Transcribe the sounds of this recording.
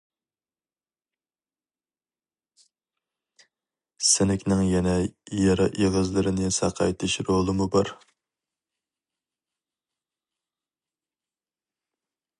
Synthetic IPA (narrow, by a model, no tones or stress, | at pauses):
sɪnɪkʲnɪŋjɛnɛjɑɾɑʔeʁəzlˠɨɾɪnɨsɑ̰qʰɑ̰jt̪ʰɪʃɾolˠɨmubɑɾ